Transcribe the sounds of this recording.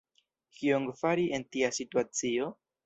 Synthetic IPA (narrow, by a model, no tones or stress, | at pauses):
kʰioŋɡfaɾiʔentiasituat͡sio̞